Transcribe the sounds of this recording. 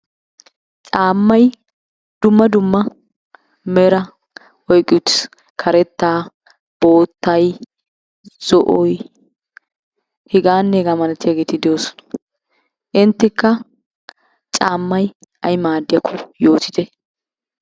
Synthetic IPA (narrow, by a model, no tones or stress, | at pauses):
t͡ʃʼaːmːɐj | d̪ʊmːɐd̪ʊmːɐ | mɛɾɐ | ɔjkʼːɪʊt̪ːɪ̥s | kʰɐɾɛt̪ːaː | b̥o̞ːt̪ːɐj | z̥ɔʔɔj | hɪɡaːnːɛɡamɐnɛt̪ːɪjaːɡeːt̪ɪd̪ɛjoːsɔ̥nɐ̥ | ʔɪnt̪ːɪkːɐ | t͡ʃʼaːmːɐj | ʔɐjmaːd̪ːɪjɐkʰːɔjo̞ːt̪ɪd̪ɛ